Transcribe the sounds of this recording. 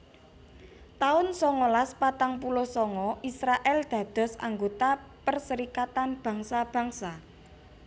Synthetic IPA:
t̪aʊnsɔŋɔlaspat̪aŋpulɔhsɔŋɔʔisɾaʔɛld̪̥ä̤d̪̥ɔ̤sa̰ŋɡot̪apərsəɾikat̪anb̥ä̤ŋsab̥ä̤ŋsa

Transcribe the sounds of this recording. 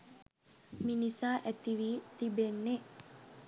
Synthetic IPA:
minisaːʔæt̪iʋiːt̪ibenːe

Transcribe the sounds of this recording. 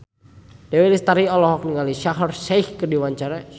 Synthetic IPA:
d̥ɛwɛlist̪aɾiɔlɔɦɔk̚niŋaliʃaɦərsajhkədiwaɲt͡ʃaɾa

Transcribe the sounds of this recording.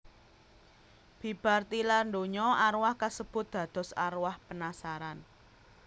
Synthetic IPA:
b̥ib̥a̤rt̪ilarndoɲɔaɾwahkasəb̥ʊ̤t̪̚d̪̥ä̤d̪̥ɔ̤sa̰ɾwahpənasaɾan

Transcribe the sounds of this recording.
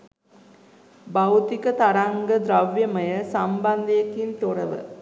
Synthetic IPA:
bawt̪ikət̪aɾaŋɡəd̪ɾaʋjəməjəsamband̪əjekint̪oɾəʋə̰

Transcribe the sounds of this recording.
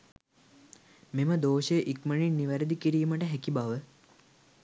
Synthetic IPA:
meməd̪oːʃejəʔikməɳinːiʋæɾəd̪ikiɾiːməʈəɦækibaʋə

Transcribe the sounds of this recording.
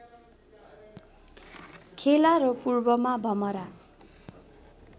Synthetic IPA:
kʰelaɾʌpurbʌmabʱʌmʌɾa

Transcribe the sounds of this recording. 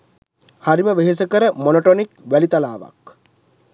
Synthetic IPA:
haɾiməʋeɦes̬əkəɾəmonoʈonikʋælit̪alaːʋa̰k

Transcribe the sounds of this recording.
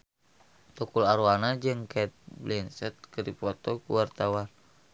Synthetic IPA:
t̪ukulaɾuanad͡ʒɨŋkɛt̪̚blinsɛt̪̚kəɾipɔt̪ɔkṵwart̪awan

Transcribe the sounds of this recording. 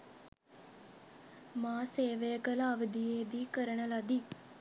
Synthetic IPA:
mãːseːʋeːkəlaːʋəd̪iːeːd̪iːkəɾəɳəlaːd̪iː

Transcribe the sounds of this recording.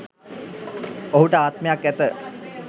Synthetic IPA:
oɦuʈəaːt̪mejakːæt̪ə

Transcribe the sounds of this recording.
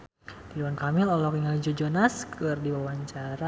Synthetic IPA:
tiluwankamɪlɔlɔkiŋald͡ʒɔd͡ʒɔnaskɨrdiwawaɲt͡ʃaɾa

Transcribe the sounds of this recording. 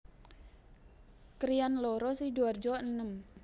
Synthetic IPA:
kɾianlɔɾɔsiduard͡ʒɔənəm

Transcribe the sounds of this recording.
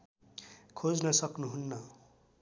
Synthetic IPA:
kʰod͡znʌsʌknuɦunːʌ

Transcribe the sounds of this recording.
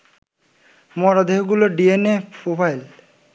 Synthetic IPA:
mɔɾad̪eɦɡuloɖienepʰobʱajl

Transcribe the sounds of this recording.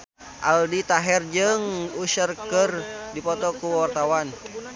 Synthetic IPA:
ʔaldit̪aɦɛrd͡ʒɨŋusərkərdipɔt̪ɔkuwart̪awan

